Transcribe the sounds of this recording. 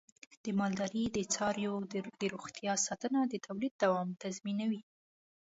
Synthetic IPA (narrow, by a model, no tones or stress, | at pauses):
d̪̥əmɑld̪ɑɾid̪ət͡sɑɾjod̪əɾoɣt̪jɑsɑt̪ənad̪ət̪ʰawlid̪̚d̪awɑmt̪azminawi